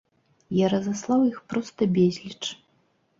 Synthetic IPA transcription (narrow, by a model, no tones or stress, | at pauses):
jaɾɐzaslˠawjixpɾɔst̪ɐbʲezʲlʲit͡ʂ